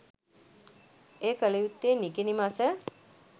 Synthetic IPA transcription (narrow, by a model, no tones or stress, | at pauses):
eːkəlejut̪ːeːnikenimasɛ